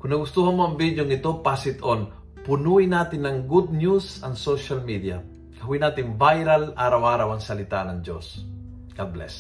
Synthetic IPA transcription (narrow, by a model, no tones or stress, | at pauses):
kʊnɐɡʊst̪uːhɐnmoɐŋbid̪joŋɪt̪o̞pasɪt̪ʔon | pʊnuːʔɪnaːt̪ɪnːɐŋɡud̪̚njusɐŋsoʃɐlmid̪jɐ̰ | kɐɦʊwinaːt̪ɪŋbajɾɐlʔaːɾɐwʔaːɾɐwɐŋsɐlɪt̪anɐŋd͡ʒo̰s | ɡ̥ad̪̚blɛ̰s